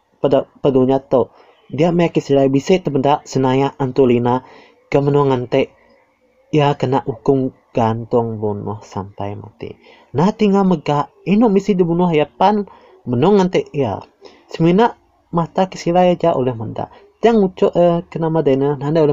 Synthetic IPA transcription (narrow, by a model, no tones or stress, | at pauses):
pədapəduɲat̪oʔ | diaʔmajakisilajbisɛʔt̪əmədaʔsənajaʔant̪ulina | kəmənɔŋant̪eʔ | jakənaʔukʊŋ | ɡ̥ant̪ʊŋbunʊ̰hsa̰mpa̰jma̰t̪ḭ | naht̪iŋaməɡaʔ | inʊʔmisidibunʊhjapan | mənʊŋant̪eʔia̰ | səminaʔ | mat̪akəsilajd͡ʒaʔolɛhməda̰ʔ | d͡ʒaŋut͡ʃɔʔəkənamadanənandajolɛ